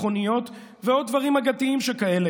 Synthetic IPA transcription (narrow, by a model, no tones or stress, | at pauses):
χo̞nijo̞t̪ | veo̞d̚ːvaʁimhaɡat̪iimʃekae̞le